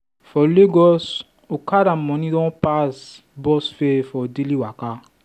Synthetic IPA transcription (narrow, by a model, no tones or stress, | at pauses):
fɔleɡɔs | okaɾamɔ̃nidɔ̃pas | bɔsfefɔdeliwaka